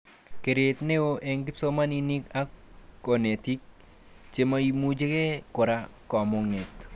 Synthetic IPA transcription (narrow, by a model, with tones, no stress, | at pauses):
ke˨ɾe˨tne˦o˦ʔe˦ŋɡɪ˦pso˦ma˦ni˦ni˦ka˦ko˨ne˨ti˦k̚ | t͡ʃe˨ma˦i˦mu˦d͡ʒe˦ke˦kʊ˨ɾa˦kɔ˨mo˨ŋe˨t